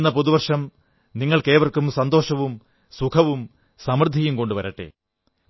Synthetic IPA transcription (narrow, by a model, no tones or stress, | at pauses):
nːɐpoðuʋɐrʂɐm | niŋːɐɭke̞ːʋɐrkːumsɐnd̪o̞ːʂɐʋum | sukʰɐʋum | sɐmrɨd̪ʱːijumko̞ɳɖɨʋɐɾɐʈːḛ